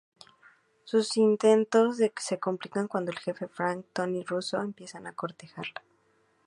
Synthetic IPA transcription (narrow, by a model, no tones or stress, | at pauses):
susint̪e̞nt̪o̞zðeke̥se̞komplikaŋkwand̪oelxe̞fe̞fɾaŋk̚t̪oniruso̞e̞mpje̞sanako̞ɾt̪e̞xaɾlḁ